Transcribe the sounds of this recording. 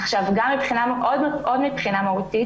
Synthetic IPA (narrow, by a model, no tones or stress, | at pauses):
aχʃavɡamːipχinamʔodmʔo̞dmipχinamahut̪i